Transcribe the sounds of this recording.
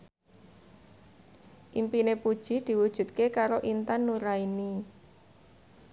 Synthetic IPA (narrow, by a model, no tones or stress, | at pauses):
ʔimpinepud̥ʒ̥i̤d̪̥i̤wud̥ʒ̥ṳt̪̚kekaɾoʔint̪anːuɾaini